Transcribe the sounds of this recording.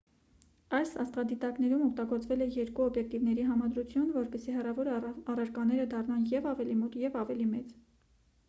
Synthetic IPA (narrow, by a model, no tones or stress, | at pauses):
ɑjsɑst̪vɑd̪it̪ɑkn̪ɛɾumɔk̚t̪ɑɡɔɾt͡svɛlɛjɛɾkuɔbjɛk̚t̪ivnɛɾiɦɑmɑd̪ɾut͡sʰjunvɔɾpɛsiɦɛrɑvɔɾɑrɑɾkɑnɛɾəd̪ɑrnɑnjɛvɑvɛlimɔt̪jɛvɑvɛlimɛt͡s